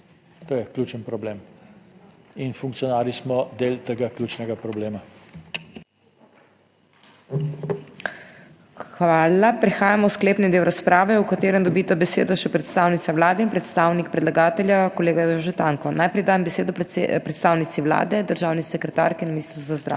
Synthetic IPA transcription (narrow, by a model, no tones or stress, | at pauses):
t̪oːjɛklʲjuːt͡ʃənpɾɔblem | infuŋkt̪sijɔnaːɾismɔd̪elt̪eɡaklʲjuːt͡ʃnɛɡapɾɔbleːma | xʋaːlapɾɛxaːjamɔwskleːpnid̪eːwɾaspɾaːʋɛukat̪eːɾənd̪ɔbit̪abɛsḛːd̪aʃɛpɾɛt̪st̪aːwnit̪sawlaːd̪ɛinpɾɛt̪st̪aːwnik̚pɾɛd̪laɡaːt̪ɛlʲjakɔleːɡajoɔʒɛt̪aːŋkɔnajpɾɛjd̪aːjɛmbɛseːd̪ɔpɾɛt̪st̪aːwnit̪siʋla̰ːd̪ɛd̪əɾʒaːwnisɛkɾɛt̪a̰ːɾkinminiːst̪ɾzazd̪ɾa̰ɛ